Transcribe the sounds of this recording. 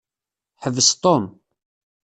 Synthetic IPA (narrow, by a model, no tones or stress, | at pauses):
ħəvːəst̪ˤom